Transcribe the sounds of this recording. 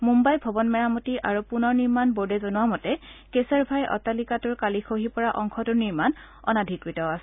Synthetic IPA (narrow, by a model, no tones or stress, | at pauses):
mumbajbʱɔbɔnmɛɹamutiʔaɹupunɔɹniɹmanboɹdɛzɔnuwamɔtɛkesɛɹbʱajʔɔ̰talikatʊɹkalixʰoɦipɔɹaʔɔŋkʰɔtʊɹniɹman | ɔ̰nadʱikɹitɔasɛ